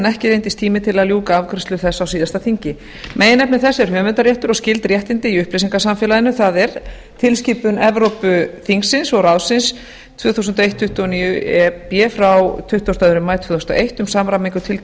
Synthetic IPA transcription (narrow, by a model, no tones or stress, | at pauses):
nɛhcɪɾejnt̪ɪst̪ʰiːmɪt̪ʰɪlaðljuːkaavkʰɾɪst̪lʏɾ̥θɛsːawsiːðast̪aθiɲcɪ | mʔejɪnɛpnɛθɛsːɛɾ̥hœːmɛnt̪aɾjɛht̪ʏɾɔɣscɪlt̪ɾjɛht̪ɪnt̪ɪiʏhplesiŋkasamfɛːlaðɪnʏθaðɛɾ | t̪ʰɪlsciːpʏnɛvɾowpʏθiŋksːɪnsɔɣɾawsɪns | t̪ʰvœːθusʏnt̪̬ejht̪ʰːʏht̪ʏɔniːjʏɛpjɛːfɾawt̪ʰʏht̪ɔwst̪aʏɾʏmajt̪ʰvœːθɔ̥snt̪ʔejht̪ʏmsaːmɾamiŋkʏt̪ʰɪl